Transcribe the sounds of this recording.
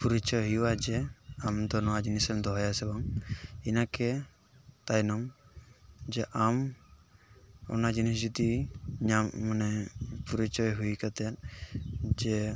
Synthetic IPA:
puɾit͡ʃɔjɦijuwad͡ʒɛamd̪ɔnɔwad͡ʒinisɛmd̪ɔɦɔjasɛbaŋinakɛ | t̪ajnɔm | d͡ʒɛʔam | ɔ̰nad͡ʒinisd͡ʒud̪iɲamːanɛpuɾit͡ʃɔjɦujkat̪ɛt̪̚ | d͡ʒɛ

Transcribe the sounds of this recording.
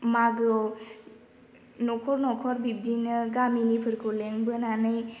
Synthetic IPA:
maɡɔ | nɔkʰɔɾnɔkʰɔɾbib̚dinɯɡaminipʰɯɾkʰuleŋbɯnanɯj

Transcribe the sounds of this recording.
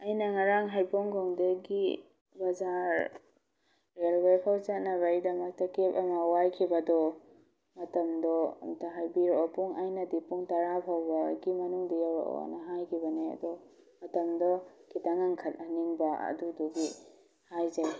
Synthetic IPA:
ɐjnɐŋaɾaŋɦajpɔŋɡɔŋdeɡi | bɐzaɾ | ɾelbajpʰawt͡ʃat̚nɐβɐidɐmɐk̚tɐkepɐmɐwajkʰibɐdɔ | mɐtɐmdɔ̰taɦajbiɾɔɔpuŋajnɐdipuŋtɐɾapʰawbɐɡimɐnuŋdijawɾa̰ʔɔ̰nɐɦajkʰibɐneɐ̰dɔ | mɐtɐmdɔkitaŋaŋkʰɐtɐniŋbɐɐ̰dudɔɡi | hajzaj

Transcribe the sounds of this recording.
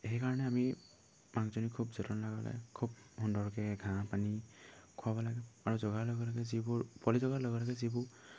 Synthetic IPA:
eɦɛkaɹɔnɛami | maŋzɔnikʰubzɔtɔnlaɡɔla̰ɡɛ̰kʰub̚hundɔɹkɛɡʱãpanikʰʊabɔlaɡɛaɹuzɔɡalɔɡɔlaɡɛzibʊɹpɔlizɔɡalɔɡɛlaɡɛzibʊ

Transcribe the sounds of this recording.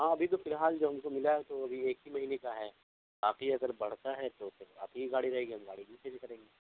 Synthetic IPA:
ɦãːɐbʱit̪̬ofɪlɦaːld͡ʒoːɦɐmkomɪlaɦɛt̪oɐbʱieːkɦimɐɦiːnekaɦɛː | baːqiɐɡəɾbɐɽ̤t̪aɦɛt̪ofʰɪɾa̰p̪ʰiiɡaːɽiɾɐɦeːɡiɦɐmɡaːɽibʱit͡ʃeːd͡ʒkɐɾẽːŋɡeː

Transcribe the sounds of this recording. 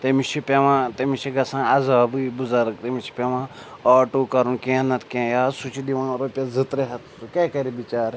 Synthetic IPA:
t̪emit͡ʃʰipʲeʋãːt̪emit͡ʃʰiɡɐsãːɐzaːbɨbuzɐɾɡt̪emit͡ʃʰi̥pʲeʋãː | ɔːʈuːkɐɾunkẽnɐt̪kẽjaːsut͡ʃʰid̪iʋãːɾoːpʲjɐzɨt̪ɾeɦɐt̪ʰsukekɐɾibit͡ʃaːɾ

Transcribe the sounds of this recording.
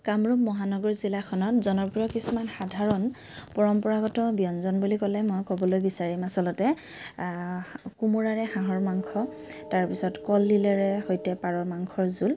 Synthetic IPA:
kamɹupmɔɦanɔɡɔɹzilakʰɔnɔtzɔnɔpɹijɔkisumanxadʱaɹɔn | pɔɹɔmpɔɹaɡɔtɔbijɔnzɔnbulikɔlɛmɔjkɔbɔlojbisaɹimasɔlɔtɛ | kumuɹaɹɛxãɦɔɹmaŋkʰɔ | taɹpisɔtkɔlːilɛɹɛhojtɛpaɹɔɹmaŋkʰɔɹzul

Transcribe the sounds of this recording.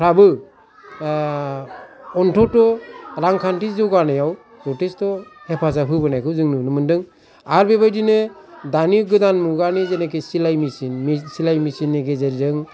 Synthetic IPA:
pʰɾabɯ | ɔntʰɔtɔɾaŋkʰantizɔɡanajaw | pɾɔtestɔhepʰasaɦɯbɯnajkʰɯwzɯŋnɯnɯmɯndɯŋ | aɾbebajdinɯdaniɡɯdanmuɡanizenekesilajmisinmsilajmisinːiɡezeɾzɯŋ

